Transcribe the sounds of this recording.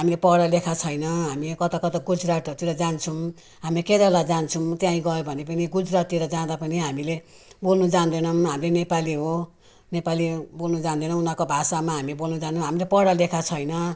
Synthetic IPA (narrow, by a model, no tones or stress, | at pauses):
ɦamilepʌɽalekʰat͡sʰʌjnʌɦamikʌt̪akʌt̪aɡud͡zɾaʈʌt̪iɾʌd͡zant͡sʰum | ɦamiked̪alad͡zant͡sʰũt̪jãĩɡʌjobʱʌnepʌniɡud͡zɾat̪iɾʌd͡zãd̪apʌniɦamile | bolnud͡zand̪ʌnʌmɦamilenepaliɦo | nepalibolnud͡zãnd̪ʌnʌ̃unakobʱasamaɦamibolnud͡zant͡sʰũɦamilepʌɽalekʰat͡sʰʌjnʌ